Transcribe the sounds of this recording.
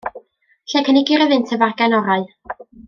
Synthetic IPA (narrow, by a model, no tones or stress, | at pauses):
ɬɛkʰənɪɡiɾəvɨntʰəvarɡɛnɔɾaɨ